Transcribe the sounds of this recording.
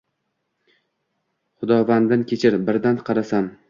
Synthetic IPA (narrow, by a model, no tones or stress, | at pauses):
χʊd̪ɒvand̪ankʲʰet͡ʃʰɪɾbɪɾd̪anqʰɑɾasan